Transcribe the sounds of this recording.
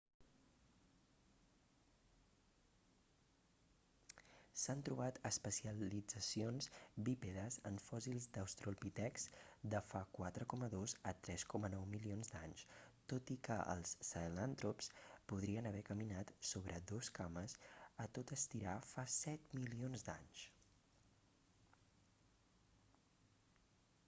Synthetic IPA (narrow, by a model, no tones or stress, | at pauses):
sant̪ɾuβat̪əspəsiəlid͡zəsionzbipeðəzəɱfɔzilˠzd̪əwst̪ɾulˠpit̪ɛksd̪əfakwat̪ɾəkɔməðozət̪ɾɛskɔmənɔwmilionzd̪aɲst̪ot̪ikəʔə̰lˠsːalant̪ɾupspuðɾiənəβ̞ɛkəminat̪soβɾʔəd̪oskaməsət̪ot̪əst̪iɾafasɛt̪milionzd̪a̰ɲs